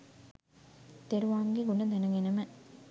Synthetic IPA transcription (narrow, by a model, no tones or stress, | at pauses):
t̪eɾuʋaːmɡeɡunəd̪ænəɡenəmə